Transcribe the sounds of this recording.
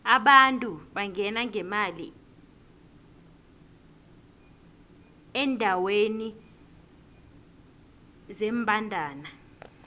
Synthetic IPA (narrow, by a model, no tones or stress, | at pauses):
aɓantʼuɓaŋʱɛnaŋʱɛmalḭ | ɛndʱaweni | zeːmbʱandʱaːna